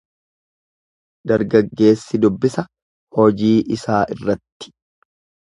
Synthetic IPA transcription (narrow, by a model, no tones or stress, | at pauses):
d̪̥ɐɾɡɐɡːe̞ːsːɪd̪ʊbːɪsɐ | hɔd͡ʒiːʔɪsaːʔɪrːɐt̪ːɪ̥